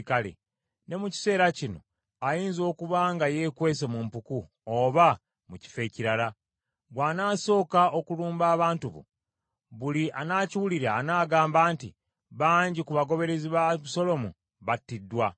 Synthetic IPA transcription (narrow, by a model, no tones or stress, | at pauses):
kalḛ | ne̞muci̥se̞ːɾacino̞̰ | ajiːnzo̞ːkuβaːŋɡaje̞ːkwe̞ːs̬emumpuku | oβa | muci̥fe̞ciɾaɾa | ɡwaːnaːso̞ːkao̞kuluːmbaːβaːntuβo̰ | βuliʔanaːciwuliɾaːnaːɡaːmbaːntḭ | βaːɲɟikuβaɡo̞βe̞ɾe̞ziβaso̞lo̞mu | βatːidːwa